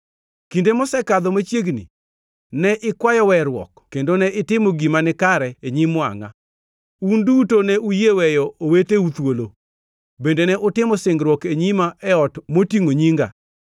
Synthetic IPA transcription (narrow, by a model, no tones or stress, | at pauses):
kindemɔsɛkad̪ɔmat͡ʃjeɡnḭ | nɛʔɪkwajɔwɛɾwɔ̰kkːendonɛʔɪtɪmoɡimanɪkaɾɛeɲimwa̰ŋa̰ | undutonɛujewɛjɔoweteut̪wolo | bendenɛʔʊtɪmɔsɪŋɡɾwɔkeɲimaɛɔtmotiŋoɲiŋɡa̰